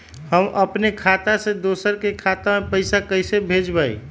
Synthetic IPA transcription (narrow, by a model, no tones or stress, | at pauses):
həmʔəpnekʰat̪ased̪osəɾkekʰat̪amepəɪsakəɪsebʱed͡ʒbəḭ